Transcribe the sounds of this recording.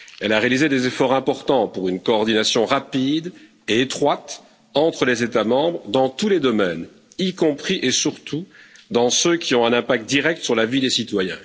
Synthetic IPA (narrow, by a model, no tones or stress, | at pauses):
ɛlaʁealized̪ezefɔʁɛ̃pɔʁt̪ɑ̃puʁynkɔːʁd̪inasjɔ̃ʁapid̪ | eet̪χwat̪ | ɑ̃t̪χəlezet̪amɑ̃bʁd̪ɑ̃t̪uled̪ɔmɛn | ikɔ̃pχiʔesyʁt̪ud̪ɑ̃søkʲiɔ̃ɛ̃nɛ̃pak̚t̪̚d̪iʁɛk̚t̪syʁlavid̪esit̪wajɛ̰̃